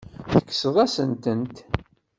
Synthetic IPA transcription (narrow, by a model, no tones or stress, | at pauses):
θə̥kːsðˤæsənt̪ənt̪